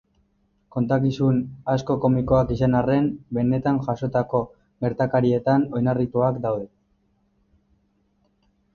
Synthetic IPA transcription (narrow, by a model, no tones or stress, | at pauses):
ko̞nt̪akisunasko̞ko̞miko̞akisanare̞nbe̞ne̞t̪anʝaso̞t̪ako̞ | ɡe̞ɾt̪akaɾie̞t̪ano̞jnarit̪uakd̪awðe̞